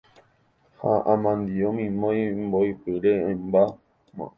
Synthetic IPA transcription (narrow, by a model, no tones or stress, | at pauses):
ha̰ʔãmãnd̪iõmĩmõjmboipɨɾẽːmba | mã̰